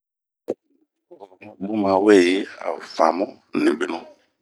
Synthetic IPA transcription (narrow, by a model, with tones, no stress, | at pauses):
mɔ̃˦bʊ˦mã˨wɛ˦˨jɪ˦a̰˨fa̰˨mɔ̃˦ | nɪ̃˨bɪ˦nɔ̃˦